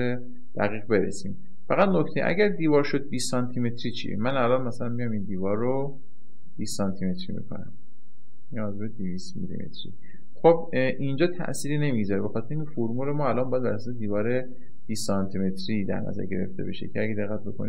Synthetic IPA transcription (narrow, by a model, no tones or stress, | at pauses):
e | d̪̥æɣiːɣbe̞ɾḛsiːm | fæɣæd̪nocʰt̪ʰe̞jḛʔæ̰ɟæɾd̪iːvɒːɾʃo̞d̪̚biːsɒnt̪ʰime̞t̪ʰɾiːt͡ʃʰḭmænælɒːnmæsælænmijɒmind̪iːvɒːɾːo | b̥iːsɒnt̪ʰime̞t̪ʰɾḭmḭkʰo̞̰næ̰m | iɒzebed̪iviːst̪mḭlḭmḛt̪ʰɾḭ | xob | ʔind͡ʒɒːt̪ʰæ̰ʔsiːɾine̞mizɒɾebe̞xɒːt̪ʰɾeiŋkʰefoɾmulemɒːælɒːmbɒjæd̪bæ̰ɾæsɔsed̪iːvɒːɾe | b̥iːsɒnt̪ʰime̞t̪ʰɾiːd̪æ̰ɾnæ̰zæ̰ɾɟe̞̰ɾe̞̰ft̪ʰe̞̰be̞̰ʃe̞̰cʰeæɡed̪e̞ɣːæt̪̚be̞kʰoni